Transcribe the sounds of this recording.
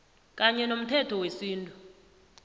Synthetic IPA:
kʼaɲɛnom̩tʰɛtʰɔwesiːntʼu

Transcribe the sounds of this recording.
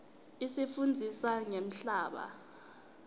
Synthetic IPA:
isifund͡zʱisaŋem̩ɬaːɓa̰

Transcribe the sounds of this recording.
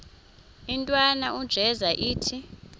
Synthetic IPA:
intʼwanaʔud̥ʒ̥ʱɛzaʔiːtʰi

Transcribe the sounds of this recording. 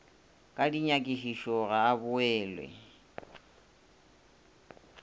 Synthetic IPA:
kʼadiɲakʼiʃiʃɔɣaːβʊɛːlwɛ̰

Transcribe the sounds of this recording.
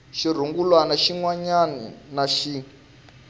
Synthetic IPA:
ʃir̤uŋɡulwanaʃiŋwaɲanḭnaʃi

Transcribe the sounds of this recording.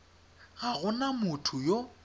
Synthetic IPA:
ɣaɣʊnamʊtʰʊjo

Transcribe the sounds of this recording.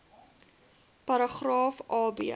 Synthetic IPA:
pɐɾəχrɑːfɑːbḭə

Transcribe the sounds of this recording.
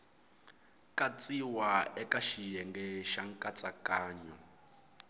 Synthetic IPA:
kʼat͡sʼiwaɛkaʃijɛŋɡɛʃaŋkʼat͡sʼakaːɲɔ

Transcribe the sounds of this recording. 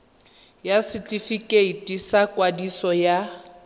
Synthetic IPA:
jasɪtʼifikʼeitʼisakʼwadisɔja

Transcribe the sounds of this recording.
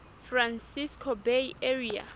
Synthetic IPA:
frãnsiskʰobejeɹia̰

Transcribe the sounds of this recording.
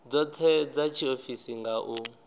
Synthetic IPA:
d͡zɔtʰɛd͡zat͡ʃʰiofisiŋɡaʔu

